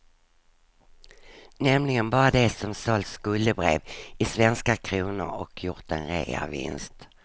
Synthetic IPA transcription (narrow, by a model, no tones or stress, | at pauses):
nɛmlɪɡənbɑːɾad̪ɛsɔmsɔlskɵlːəbɾḛːvɪsvɛnskakʰɾuːnə̰ɾɔkʰjʊɾt̪ənɾḛɡa̰vɪ̰nst̪